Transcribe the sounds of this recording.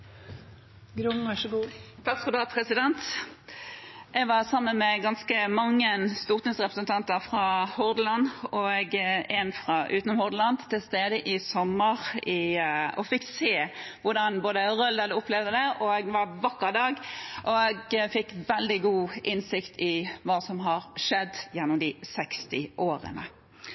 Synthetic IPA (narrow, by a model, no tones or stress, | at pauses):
ɡɾʊmɑʃəɡufʰɑʁskʊld̪ɑpʰɾɛsɪd̪ɛnt̪ | ʔɛɡʋɑʁsɑmːənmɛɡɑnskəmɑŋːənst̪uːʁt̪nɪŋsʁɛpɾəsənt̪ʰɑnt̪əɾfʁɑhʊʁd̪əlɑnɔɡɛnfʁɑʔʉ̰ːt̪nɔmhʊʁd̪əlɑnd̪t̪ʰːɪlst̪eːd̪əʔɪsɔmːəʁɪɔfɪkːseːʋʊʁɖɑnboːd̪əɾœld̪ɑləʊplɛʋd̪əd̪ɛʔɔɛɡʋɑɾʋɑkːəd̪ɑːɡʔɔɛɡfɪkːʋɛld̪ɪɡuːʔɪnsɪkt̪ʰɪʋɑːsɔmɦɑɾʂɛd̪ːjɛnːʊmd̪ɪsɛkst̪ɪʔoːɾə̰nə̰